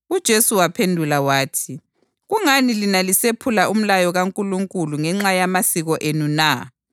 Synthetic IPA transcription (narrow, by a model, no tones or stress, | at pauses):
ud̥ʒ̥ʱesuwapʰendʱulawaːtʰi | ɣuŋanilinalisepʰulaʔum̩lajɔɣaŋkʼuluŋkʼuluŋɛŋ͡ǁajamasiɣɔʔenuna